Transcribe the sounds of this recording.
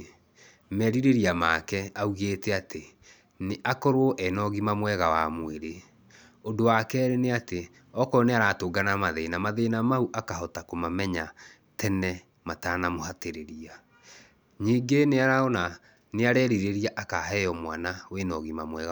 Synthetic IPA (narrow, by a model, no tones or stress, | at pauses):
mɛɾiɾeɾiamakɛauɣetɛate | neʔakɔɾwɔʔɛnɔɣimamwɛɣawamweɾe | odowakɛɾeneate | ɔkɔneaɾatoɡanamaðeːnamaðeːnamauʔakaɦɔtakomamɛɲa | tʰɛnɛ | mataːnamohateɾeɾia | ɲiːɡeneaɾaɔna | neaɾɛːɾiɾeɾiaʔakaɦɛjɔmwanawenɔɣimamwɛɣa